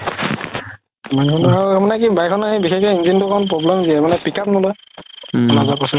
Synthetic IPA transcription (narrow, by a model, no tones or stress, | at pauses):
mankʰɔnaɹumanɛkibajkʰɔnaɦĩbixɛkɛind͡ʒintʊkʰɔɔnp̬ɹɔblɛmziɛmanɛpikʰapnɔlɔj | ɔnazapasɔ